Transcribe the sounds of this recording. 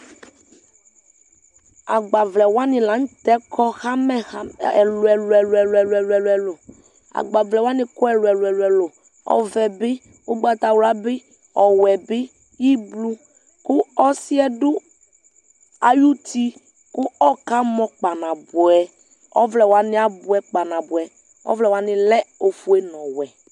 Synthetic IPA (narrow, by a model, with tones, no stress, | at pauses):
a˨ɡ͡ba˨vlɛ˨wa˦nɪ̃˨la˨˦ŋ̩˦t̪ɛ˦kʰɔ˦xa˦mɛ˦˨˦ɛ˨lo˨ɛ˨lɛ˨lɛ˨lɛ˨lɛ˨lɛ˨lɛ˨lo˨ | a̰˨ɡ͡ba˨vlɛ˨wa˦nɪ̃˨kɔ˦ɛ˨lo˨ɛ˨lɛ˨lɛ˨lo˨ | ɔ̰˨vɛ˨be˦ | wo˦ɡ͡ba˨t̪a˨wla˨be˦ | ɔ˨wɛ˨bɪ˦ | ji˦blu˦ | kʊ˦ɔ˦sɪ˦ɛ˦dʊ˦ | a˨ju˦t̪i˦ | kʊ˦ɔ˦ka˦mɔ̃˦k͡pa˨nã˨bʊ˨ɛ˨ | ɔ̰˦vlɛ˨wa˨nɪ˦a˨bʊ˨˦ɛ˦k͡pa˨nã˨bʊ˨ɛ˨ | ɔ̰˦vlɛ˨wa˨nɪ˨lɛ˦o˨fu˦e˦nɔ̃˨wɛ˨